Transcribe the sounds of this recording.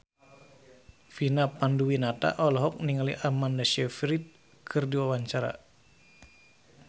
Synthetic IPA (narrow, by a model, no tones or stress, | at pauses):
finapanduwinat̪a̰ʔɔlɔɦɔk̚niŋaliʔamandaʃɛfɾit̪̚ | kʰɨrdiwawaɲt͡ʃaɾa̰